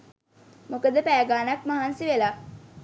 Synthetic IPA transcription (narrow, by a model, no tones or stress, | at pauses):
mokəd̪əpæːɡaːnakmaɦansiʋelaː